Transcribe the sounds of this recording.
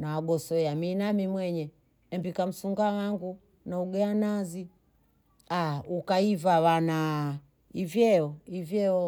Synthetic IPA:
nawaɡɔsɔjaminamimwɛɲɛ | ɛmbikam̩suŋɡawaŋɡu | nauɡɛanazi | aukaivawana | ivjɛɔivjɛɔ

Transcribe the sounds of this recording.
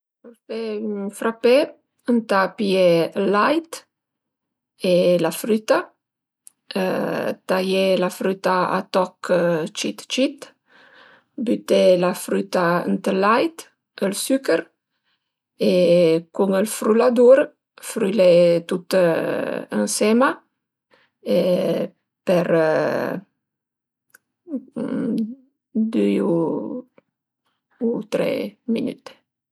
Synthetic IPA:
feyŋfɾape | ənt̪apjeəlajt̪ | elafɾyt̪a | ə̰t̪ajelafɾyt̪aa̰t̪ɔkt͡ʃit̪t͡ʃit̪ | byt̪elafɾyt̪aə̰nt̪əlajt̪ | əlsykəɾ | ekuŋəlfɾylad̪uɾ | fɾylet̪ut̪ | ə̰nsɛma | e | pɛɾ | d̪yu | ut̪ɾɛ̰mḭny̰t̪

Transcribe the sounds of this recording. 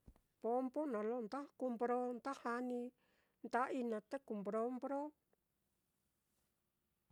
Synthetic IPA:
pɔmpɔnalont̪ahkumpɾont̪ahani | nt̪aʔinat̪ekumpɾompɾo

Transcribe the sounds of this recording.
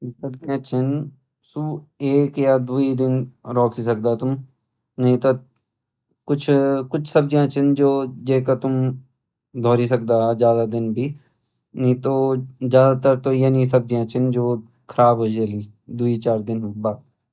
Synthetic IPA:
sɐb̚d͡ʒiãt͡ʃʰɪn | sueːkjad̪uid̪ɪnɾɔːkʰis̬ɐkd̪at̪ʊm | nɐɦĩt̪o | kʊt͡ʃʰkʊt͡ʃʰsɐb̚d͡ʒãt͡ʃʰɪnd͡ʒoːd͡ʒeːkat̪ʊm | d̪ʱɔːɾis̬ɐk̚d̪aɦzjaːd̪ad̪ɪnbʱi | nɐɦĩt̪oːzjaːd̪at̪əɾt̪ojenĩs̬ɐb̚d͡ʒiãt͡ʃʰɪnd͡ʒoː | kʰəɾaːbɦoːd͡ʒeːliː | d̪uit͡ʃaːɾd̪ɪnbaːd̪̚

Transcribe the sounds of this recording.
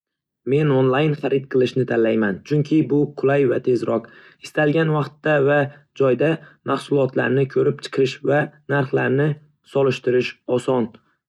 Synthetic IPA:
me̞nonlˠajnχaɾɪt̪̚qʰɨlˠɪʃnɪt̪ʰanlajmant͡ʃʰʊŋkʲʰɪbʊqʰʊlˠajvat̪ʰe̞zɾɒq | ɪst̪alɡʲanvɑqt̪ːava | d͡ʒɒjd̪amahsʊlˠɒt̪la̰ɾnɪkʲʰɵɾɪp̚t͡ʃʰɨ̥qʰɨʃvanaɾχlaɾnɪ | sɒlɪʃt̪ɪɾɪʃɒsɒn

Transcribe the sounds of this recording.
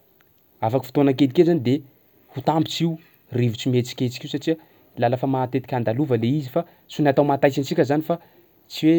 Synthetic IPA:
afaki̥fi̥t̪onak̬ed̪ikezanid̪e | hut̪ambit͡siu | rivit͡simet͡si̥kʲet͡si̥kʲiusaʈ͡ʂiə | lalafamat̪et̪i̥kʲand̪aluvəleizifa | sunat̪awmat̪ajsint͡sikʲəzanifa | t͡siwe

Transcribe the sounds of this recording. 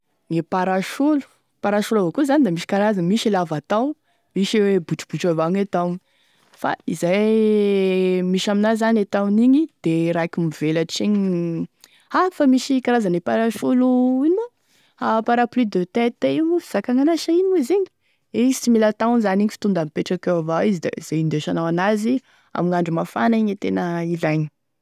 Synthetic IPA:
ŋepaɾaʃulu̥ | paɾaʃulavokuzanid̪amiʃi̥kaɾazamiʃilavat̪aw | miʃiwebuʈ͡ʂu̥b̥uʈ͡ʂavaŋet̪awn | fa̰izaj | miʃaminazanet̪awniɲid̪̥eɾakʲimivelaʈ͡ʂeɲi | afamiʃikaɾazanipaɾaʃuluinia | apaɾaplid̪øt̪ɛt̪eifi̥z̥akaŋanaʃainiiziɲi̥ | et͡similat̪awnzaniɲifi̥t̪und̪amipeʈ͡ʂakewavaizid̪ḛz̥aind̪eʃanawanazi | a̰miŋaɳɖ͡ʐumafa̰naiɲet̪enəilaɲi̥

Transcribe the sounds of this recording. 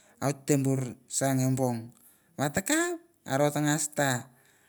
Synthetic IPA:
autːembuɾsaŋemboŋ | βatakap̚ | a̰ɾotaŋasta

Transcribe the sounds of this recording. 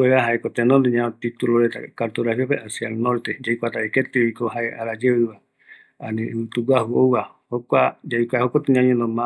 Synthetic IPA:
eɾaɦaekot̪enõnd̪eɲãt̪it̪uloɾet̪a̰kaɾt̪uɾahiopeʔasjaelnõɾt̪ed͡ʒaikʷat̪aeket̪iikoɦaeʔa̰ɾad͡ʒeβɨβa | anĩt̪uɡwahuowa | hokʷad͡ʒaikʷahokʷat̪eɲãɲẽnõmã

